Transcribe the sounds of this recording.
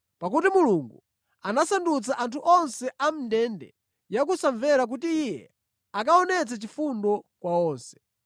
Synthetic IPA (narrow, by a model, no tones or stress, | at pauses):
pakutimuluŋɡu | anasandut͡saʔantʰuʔɔnsɛʔam̩dɛndɛ̰ | jak̬usaɱvɛɾak̬ut̬iijjɛ̰ | akaɔnɛt͡sat͡ʃifundɔkwaɔːnsɛ̥